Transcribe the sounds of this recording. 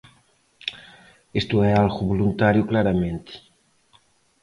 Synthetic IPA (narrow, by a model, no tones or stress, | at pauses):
est̪uɛalɣuβulunt̪aɾjuklaɾamẽnt̪i̥